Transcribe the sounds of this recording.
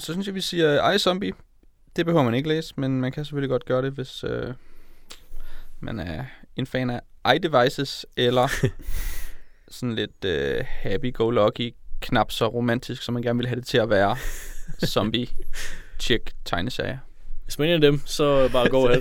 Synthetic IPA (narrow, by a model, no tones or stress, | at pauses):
sɒ̽synsjɑʋisiːɐʔɑ̈ɪsɒ̽mb̥i | d̥e̝b̥e̝høʊɐmæne̝ɡ̥əlḛːsmenmænkʰæse̥føliɡɒ̽d̥̚ɡ̥ɶːɐɾ̥e̝ʋe̝sø | mæ̰næɐe̝nfɛ̰ːnæʔɑ̈ɪd̥e̝ʋɑ̈ɪsəselɐ | sɒ̽n̩le̝d̥øhæb̥iɡ̥oʊlɒ̽ɡ̥ikʰnɑ̈b̥sɒ̽ʁo̝mæn̰d̥isɡ̥sɒmːænɡæɐn̩ʋe̝lɦæɾ̥e̝t͡sʰe̝æʋæːɐ | sɒ̽mb̥i | t͡ɕʰeɡ̥t͡sʰɑ̈ɪnəsæ̰ɪɐ | ʋe̝smæne̝ːnædemsɒ̽bɑ̈ːɡ̥ɔ̰ːhel